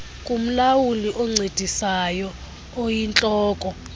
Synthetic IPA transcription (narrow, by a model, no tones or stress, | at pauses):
kʼum̩lawuliʔɔŋ͡ǀed̥ʱisajɔ | ojint͡ɬʼɔːkʼɔ